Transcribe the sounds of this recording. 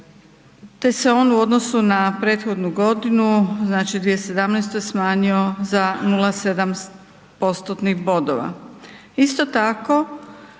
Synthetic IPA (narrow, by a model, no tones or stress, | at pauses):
t̪e̞seo̞ːnuo̞d̪nosunapɾe̞ːt̪xo̞d̪nuɡo̞d̪inuznaːt͡ʃid̪ʋijese̞d̪amnɛjst̪ojesmaːɲio̞zanulˠase̞d̪am | po̞st̪ot̪nixbo̞d̪o̰ʋa̰ | ist̪o̞t̪ako̞